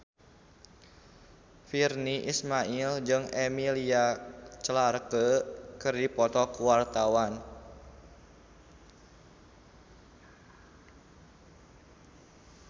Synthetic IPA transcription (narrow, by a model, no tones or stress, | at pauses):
firniʔismaʔild͡ʒɨŋemiliat͡ʃəlarkəkɨrdipɔt̪ɔkuwart̪awan